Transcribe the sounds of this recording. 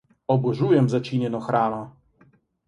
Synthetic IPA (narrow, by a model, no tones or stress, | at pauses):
ɔbɔʐujɛmzat͡ɕiɲɛnɔxɾama